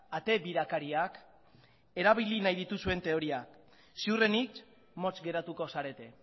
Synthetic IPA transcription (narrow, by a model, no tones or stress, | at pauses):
at̪e̞βiɾakaɾiak | e̞ɾaβilinajðit̪usue̞nt̪e̞o̞ɾiak | siure̞nik | mo̞t͡sɡe̞ɾat̪uko̞saɾe̞t̪e̞